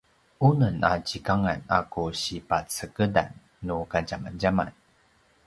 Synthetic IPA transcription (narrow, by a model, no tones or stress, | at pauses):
unəna̰t͡ɕikaŋana̰kuɕipat͡səkəda̰nː | ukad͡ʑamand͡ʑama̰n